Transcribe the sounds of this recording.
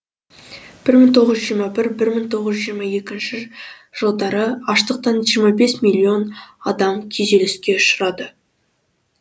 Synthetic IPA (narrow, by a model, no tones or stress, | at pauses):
b̥ɪɾmɪŋt̪ʰo̞ʁəzʒijɾmɑbɪɾbɪɾmɪŋt̪ʰo̞ʁəzʒijɾmɑje̞kʲɪnʃɪ | ʒ̥olˠd̪ɑɾəɑʃt̪əq̚t̪ɑnʒijɾmɑbe̞smilʲːio̞nɑd̪ɑmkʲʰeze̞lɪskʲe̞ʊʃəɾɑd̪ə